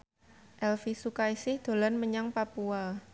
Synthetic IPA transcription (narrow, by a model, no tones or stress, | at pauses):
ʔɛlfisukaisɪhd̪̥o̤lanməɲaŋpapua